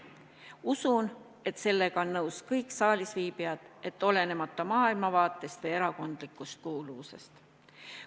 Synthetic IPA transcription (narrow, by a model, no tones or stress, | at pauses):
usun | e̞t̪se̞lːe̞ɡ̥ɑonːɤwskɤjkˑsɑːlʲisviːbiɑd̪̥e̞t̪ːˑo̞le̞ne̞mɑt̪ːˑɑmɑːilmɑvɑːt̪ˑːe̞st̪vejeɾɑko̞nd̪̥likːˑust̪̚kuːluvuse̞̰st̪